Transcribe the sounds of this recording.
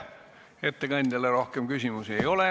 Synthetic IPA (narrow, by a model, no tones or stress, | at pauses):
et̪ːekɑnʲd̪elːeɾo̞hkemkysʲimusiejo̞le